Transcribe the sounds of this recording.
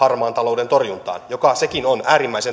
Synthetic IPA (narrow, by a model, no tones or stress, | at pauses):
ɑrmɑːnt̪ɑlo̞ude̞nt̪orjunt̪ɑ̰ːnjokɑsekinonæːɾimːæise̞n